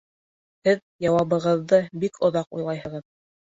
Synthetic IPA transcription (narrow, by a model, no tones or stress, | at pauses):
hɘðjɑwɑβɤ̆ʁɤ̆ðːɤbikʰŏðɑqṵjlˠɑjhɤ̆ʁɤð